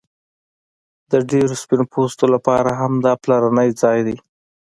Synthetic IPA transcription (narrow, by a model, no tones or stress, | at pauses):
d̪əɖeɾospɪnopost̪olapɑɾaɦamd̪ɑplaɾanəjd͡zɑjd̪e